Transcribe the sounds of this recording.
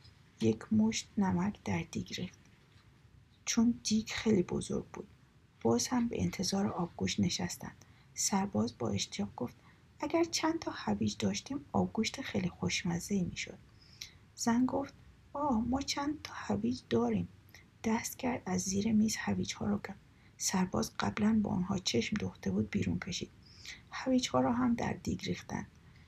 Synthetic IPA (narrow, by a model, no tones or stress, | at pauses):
je̞cʰmoʃt̪næmækʰd̪̥æɾd̪̥iɡɾeft̪ | t͡ʃʰond̪iːɡxejliːbo̰zo̰ɾɡ̚bṵːd̪̥ | b̥ɒːzhæmbḛʔḛnt̪ʰe̞zɒːɾeʔɒːb̚ɡuʃt̪ne̞ʃæst̪æ̰nd̪̥ | sæɾbɒːzbɒ̰ːʔe̞ʃt̪ʰijɒːɣɡo̞ft̪ | ʔæɡæɾt͡ʃʰænt̪ʰɒːhæviːd͡ʒd̪ɒːʃt̪iːmɒ̰ːbɡuʃt̪exejlixoʃmæzeiːmiːʃo̞̰d̪̥ | z̥ænɡoft̪̚ | ɒːmɒːt͡ʃʰænd̪̚t̪ʰɒːhæviːd͡ʒd̪ɒːɾiːm | d̪̥æst̪cʰæɾd̪æzːiːɾemiːz̥hæviːd͡ʒhɒ̰ːɾɒːɡæ | sæɾbɒ̰ːzɢæblænbɒ̰ːo̰nhɒ̰ːt͡ʃʰe̞ʃmd̪oxd̪e̞buːd̪̚biːɾuːncʰe̞ʃḭːd̪̥ | hæviːd͡ʒhɒːɾɒːɦæmd̪æ̰ɾd̪ḭɡɾiːxt̪æ̰nd̪̥̚